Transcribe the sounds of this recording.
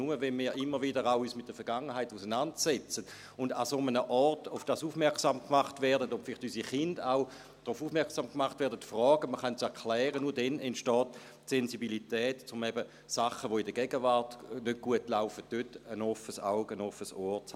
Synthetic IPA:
uməvɛnmiːɐʔɪmːəʁʋidəʁaʊyːsmɪt̚d̥əfɛɐɡ̥aŋːəɦaɪtusənantt͡ssɛt͡sət | ʊndasomənəʔɔʁtʊfd̥aːsufmɛɐksamkmaχtʋɛɐdədobfɪlɪχtysiχɪndaʊ | d̥ʁufuːfmɛɐksaːmkmaχtʋɛɐdətfʁɔːɡəməχœntt͡sɛɐkʰlɛːʁənuːɐdɛnentʃtɔːtː | senzibilitɛːtt͡sʊmɛbə | saχəʋoidəɡ̥ɛɡ̥əvaɐtnød̚ɡ̥uətlaʊfət̚d̥øtənofəsaʊɡənofəsoːt͡s

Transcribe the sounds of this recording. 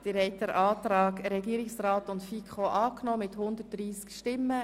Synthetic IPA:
d̪̥ɪɾhɛɪt̚dɛɾʔɑːt̪ɾɑːɡɾɛɡiːəɾɪksraːtʊntfikχoʔɑːknoːmɪthʊnd̪ət̚d̥ɾiːskʃtɪmːə

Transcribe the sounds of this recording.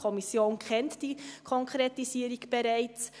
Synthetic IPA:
ɔmisjoːnkʰɛntd̥ikʰɔŋkʰɾetisiːəɾiɡb̥ɛɾæɪt͡s

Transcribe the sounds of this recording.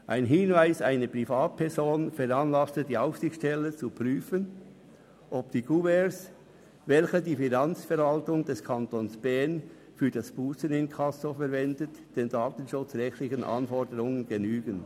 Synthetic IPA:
ʔaɪnɦɪnvaɪsaɪnəpʁ̥ifaːt̚pʰɛɾzoːnfɛɾɑnlɑstədiːaʊfsɪxtʃtɛlət͡supʁ̥yːfən | ʔɔpd̥iːɡuːɛs | vɛlçədiːfinɑnt͡sfɛɾvɑltʊŋd̥ɛskʰɑntoːnsb̥ɛɐn | fyːdɑsb̥uːsənɪnkʰɑsofɛɐɾvɛndət | d̥eːndaːtən̩ʃʊt͡sʁɛxtlɪçənʔɑ̰nfɔɹdəɾʊŋənɡenyːɡ̥ən

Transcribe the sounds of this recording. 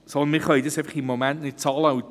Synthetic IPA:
sɔlˠnmiχojdɪsevχiːmɔmɛnnɪ̥tʰɔlˠaw

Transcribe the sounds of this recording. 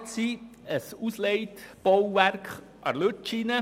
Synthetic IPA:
siəsusleɪtb̥owʋæɾkχ | ʔɑ̰ɾlʉtt͡ʃinə

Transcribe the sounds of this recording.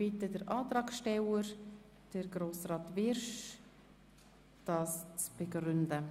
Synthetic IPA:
b̥itədəɾʔɑːtɾɑːkʃtɛwəɾ | d̥əɾɡɾoːsrɑːtvɪɾʃ | d̥ɑːst͡sb̥eɡɾʏndə

